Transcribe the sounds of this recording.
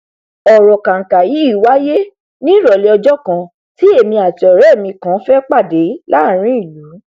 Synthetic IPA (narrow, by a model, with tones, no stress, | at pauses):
ɔ˨ɾɔ˨ka˨ŋ̩˨ka˨ji˨˦i˦˨wa˦je˦ | nĩ˦ɾɔ˨le˧ɔ˧d͡ʒɔ˦kã˧ | ti˦e˦˨mĩ˧a˨ti˧ɔ˨ɾɛ˨˦˨mĩ˧kã˨˦fɛ˦k͡pa˦˨de˨˦la˦˨ɾ̃ĩ˨˦i˦˨lu˨˦